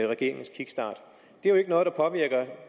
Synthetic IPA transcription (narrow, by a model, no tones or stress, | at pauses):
ʁɛɡ̥e̝ɐ̰e̝ŋn̩skʰiɡ̥sd̥ɑ̰̈ːd̥ | d̥e̝æjoe̝ɡ̥ənɔ̽ːðˠd̥ɑ̈pʰɒ̽ʋiɐɡ̥ɐ